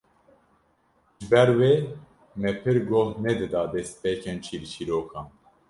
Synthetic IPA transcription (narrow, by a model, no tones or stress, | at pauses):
ʒbɛɾweː | mɛpʰɨɾɡoːhnɛd̪ɨd̪ɑːd̪ɛst̪̚peːkʰɛnt͡ʃʰiːɾt͡ʃʰiɾoːkʰɑ̃ːn